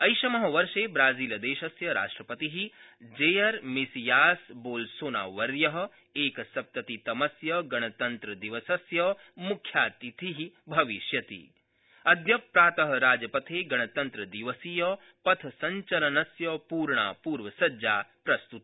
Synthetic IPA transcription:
ɐjʃɐmɐɦɐʋɐɾʃeːbɾaːziːlɐd̪eːʃɐsjɐɾa̰ːʂʈɾɐpɐt̪iɦid͡ʒejɐɾmisijaːsboːlsoːna̰ːʋɐɾjɐɦɐ̆ | eːkɐsɐp̚t̪ɐt̪it̪ɐmɐsjɐɡɐɳ̃ɐt̪ɐnt̪ɾɐd̪iʋɐsɐsjɐ | mukʰjaːt̪it̪ʰiɦibʱɐʋiʃjɐt̪ḭ | ɐd̪jɐpɾaːt̪ɐɦɐɾaːd͡ʒɐpɐt̪ʰeːɡɐɳ̃ɐt̪ɐnt̪ɾɐd̪iʋɐsijɐ | pɐt̪ʰɐsɐɲt͡ʃɐlɐnɐsjɐpuːɾɳa̰ːpuːɾʋɐsɐd͡ʒaːpɾɐst̪ut̪

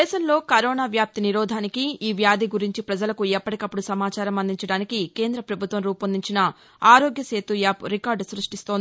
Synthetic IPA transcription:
ɛːʃɐmlo̞ːkɐɾoːnaːʋjaːp̚t̪iniɾɔːd̪ʱaːnikiːʋjaːd̪iɡuɾiɲt͡ʃipɾɐd͡ʒɐlɐkuɛpːɐʈikɐpːuɽusɐmaːt͡ʃaːɾɐmɐnd̪iɲt͡ʃɐɽaːnikike̞ːnd̪ɾɐpɾɐbʱut̪ʋɐmɾuːpɐnd̪iɲt͡ʃinɐ | aːɾoːɡjɐse̞ːt̪ujaːpɾikaːɾɖsɾuʂʈist̪oːd̪ii

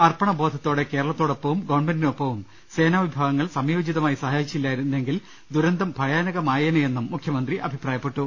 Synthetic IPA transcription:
ɐrpɐɳɐbʱo̞ːd̪ʱɐt̪ːoːɽe̞ke̞ːɾɐɭɐt̪ːoːɽopːɐʋumɡoːɳmendinopːɐʋum | se̞ːnaːʋibʱaːɡɐŋːɐɭsɐmjo̞ːd͡ʑiðɐmaːjisɐhaːjit͡ɕːilːaːjiɾunːuːe̞ŋɡil | d̪uɾɐnd̪ʱɐmbʱɐjaːnɐɣɐmaːjɐnɐe̞nːumːukʰjɐmɐnd̪riʔɐbʱipraːjɐpːe̞ʈːu

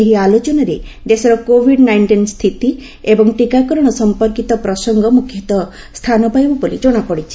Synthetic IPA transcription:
eɦialot͡ʃɔnɔɾed͡ʒesɔɾɔkobʱiɖnajɳʈinst̪ʰit̪i | ebɔŋʈikakɔɾɔɽ̃ɔsɔmpɔɾkit̪ɔpɾɔsɔŋɡɔmukʰjɔt̪ɔ | st̪ʰanɔpajbɔbɔlid͡ʒɔɽ̃apɔɽit͡ʃʰi̥

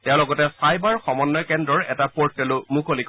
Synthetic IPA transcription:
tɛʊ̃lɔɡɔtɛsajbaɹxɔmɔnːɔkɛndɹɔɹɛtapɔɹ̚ɛlʊmukʰolik

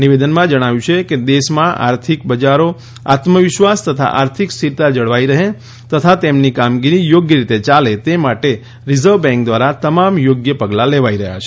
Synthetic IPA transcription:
niʋed̪ənmãd͡ʒəɽ̃aʋjũt͡ʃʰeked̪eʃmãʔa̰ɾt̪ʰik̚bəd͡ʒaɾo | a̰t̪məʋɪʃʋast̪ət̪ʰa̰ʔaɾt̪ʰikst̪iɾt̪ad͡ʒəɽʋaiɾəɦẽ | t̪ət̪ʰat̪emnikamɡiɾijoɡjəɾit̪et͡ʃalet̪emaʈe | ɾizəɾʋbɛ̃ŋk̚d̪ʋaɾat̪əmamjoɡjəpəɡlaleʋaiɾəɦja̰t͡ʃʰe

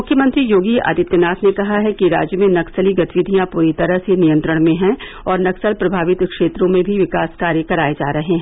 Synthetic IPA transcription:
mʊkʰjəmɐ̃nt̪ɾijoːɡia̰ːd̪ɪt̪ːənaːsnekɐɦaɦɛkiɾa̰ːd͡ʒjəmẽnɐksəliɡɐt̪ʋɪd̪ʱijãpuːɾit̪ɐɾəɦsenijə̃nt̪ɾəɽ̃mẽɦɛ̃ | ɔːɾnɐksəlpɾɐbʱaːʋɪt̪kʃeːt̪ɾõmẽbʱiʋɪkaːskaːɾjəkɐɾaːed͡ʒa̰ːɾɐɦeɦɛ̃

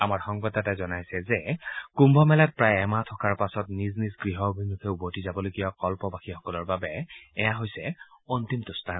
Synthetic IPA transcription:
amaɹxɔŋbɔtatazɔnajsɛzɛkumbʱɔmɛlat̚pɹajɛmatʰɔkaɹpasɔtniznizɡɹiɦɔobʱimukʰɛubotizabɔlojɡijakɔlpɔbaxixɔkɔlɔɹbabɛɛjaɦojsɛɔntimtʊstʰa

